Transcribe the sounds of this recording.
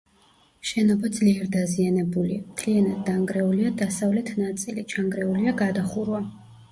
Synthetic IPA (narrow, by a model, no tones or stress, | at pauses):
ʃɛnɔbad̪zliɛɾd̪azianɛbuliamt̪ʰlianad̪̚ːaŋɡɾɛuliad̪asavlɛt̪ʰnat̪sʼilit͡ʃʰaŋɡɾɛuliaɡad̪aχuɾua